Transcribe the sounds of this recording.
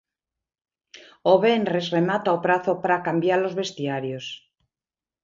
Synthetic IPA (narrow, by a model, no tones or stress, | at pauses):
oβenrezremat̪aopɾaθopaɾakambjaɾlo̞zβe̞st̪iaɾjos